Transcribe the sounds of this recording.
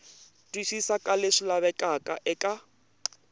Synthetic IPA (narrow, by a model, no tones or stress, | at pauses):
tʼwiʃisakʼalɪʂɪlaβɛkʼakʼaʔɛkʼa